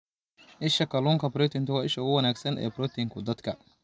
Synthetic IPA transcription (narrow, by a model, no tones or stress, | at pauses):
ʔɪʃɐkɐluːŋkʰɐbɾɔt̪ɪnt̪ʰʊwaːɪʃɐʊɣʊwɐnaːɡsɐnʔɛ̰ːbɾɔt̪ʰɪŋkʰʊd̪ɐd̪kʰɐ